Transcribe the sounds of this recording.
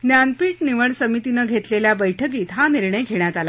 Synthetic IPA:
njanpiːʈniʋəɳsəmit̪inəːɡʱet̪leljabəjʈʰəkiːt̪ɦaniɾɳəjɡʱeɳjat̪ala

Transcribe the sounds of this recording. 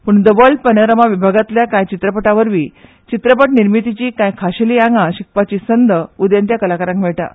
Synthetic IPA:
puɳd̪əbəɭpənəɾəmaʋibʱaɡat̪ljakãjt͡ɕit̪ɾəpəʈaʋəɾʋiː | t͡ɕit̪ɾəpəʈniɾmit̪it͡ɕiːkãjkʰaɕeliːãŋɡaɕik̚pat͡ɕiːsənd̪ʱəud̪jant̪jakəlakaɾãŋkmeɭʈa̰

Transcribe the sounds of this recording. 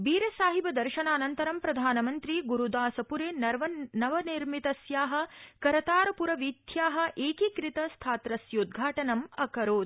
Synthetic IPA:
biːɾɐsaːɦibɐd̪ɐɾʃɐnaːnɐnt̪ɐɾɐmpɾɐd̪ʱaːnɐmɐnt̪ɾiɡuɾud̪aːsɐpuɾeːnɐɾʋɐnɐʋɐniɾmit̪ɐsjaːɦɐ̆kɐɾɐt̪aːɾɐpuɾɐʋid̪ʰʱjaːɦɐ̆ʔeːkikɾit̪ɐst̪ʰaːt̪ɾɐsjɐud̪̚ɡʱaːʈɐnɐmɐkɐɾoːd̪̚

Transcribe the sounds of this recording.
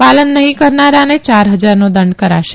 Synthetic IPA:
palənːəɦĩkəɾnaɾanet͡ʃaɾɦəd͡ʒaɾnod̪əɳɖkəɾa̰ʃe̥

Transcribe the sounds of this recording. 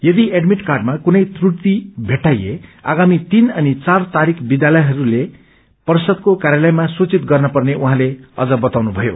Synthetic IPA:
jʌd̪ieɖmiʈkarɖmakunʌjt̪ruʈt̪ibʱeʈːajḛa̰ɡamit̪inʌnit͡sart̪aɾikʰbid̪jalʌjɦʌɾule | pʌrsʌd̪̚kokaɾjalʌjmasut͡sit̪ɡʌrnʌpʌrneuɦãleʌ̰d͡zʌbʌt̪awnubʱʌjo̰

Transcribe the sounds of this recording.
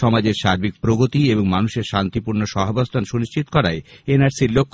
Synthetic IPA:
ɔmad͡ʑeɾʃaɾbik̚pɾoɡot̪ieboŋmanuʃeɾʃant̪ipuɾnoʃɔɦobost̪ʰanʃuniʃt͡ɕit̪o̥kɔɾaeenaɾsiɾlokʰː

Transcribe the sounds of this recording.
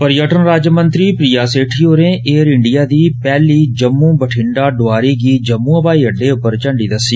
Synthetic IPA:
pəɾjəʈənɾaːd͡ʒəmənt̪ɾiːpɾiːjaːseːʈʰiːɦoːɾẽːʔeːɾɪɳɖɪjaːd̪iːpɛːliːd͡ʒəmːũːbəʈʰɪɳɖaːɖʊaːɾiːɡiːd͡ʒəmːũːəpaːiːɦəɖːeːʊpːəɾt͡ʃəɳɖiːd̪əsːiː

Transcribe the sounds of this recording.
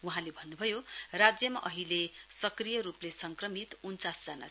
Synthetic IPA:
uɦãlebʱʌnːubʱʌjorad͡zjʌma̰ʔʌɦilesʌkrijʌɾuplesʌŋkrʌmit̪unt͡sasd͡zana̰

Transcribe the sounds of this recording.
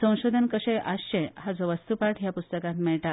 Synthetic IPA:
sə̃w̃ɕod̪ʱənkəɕẽjʔaɕẽɦad͡zɔʋəst̪upaʈʰɦjapust̪əkãt̪mɛɭʈa

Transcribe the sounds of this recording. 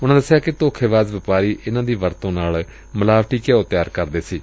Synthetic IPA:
ʊnãːd̪əsːɪjaːkɪt̪oːkʰeːʋaːzʋɪpaːɾiːʔɪnãːd̪iːʋəɾt̪õːnaːl | məlaːʋʈiːkeːot̪ɪjaːɾkəɾd̪eːsiː

